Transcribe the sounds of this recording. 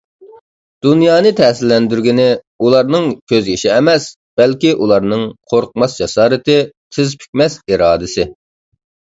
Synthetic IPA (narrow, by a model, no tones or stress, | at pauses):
d̪̥unjɑːnɨt̪ʰɛsɪlːɛnd̪yɾɡʲinɪ | ulˠɑɾnɨŋkʲʰøzɡʲiʃɪɛmɛs | b̥ɛlkʲiʔulˠɑɾnɨŋqʰoɾq̚mɑsd͡ʒɑsɑːɾɪt̪ɪt̪ʰɪzpʰy̥k̚ʲmɛsiɾɑːd̪ɨsɪ